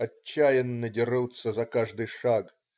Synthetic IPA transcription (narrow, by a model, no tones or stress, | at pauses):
ɐːajɛnːɐdʲiɾɨwt̪sɐzɐkaʐd̪ɨʂak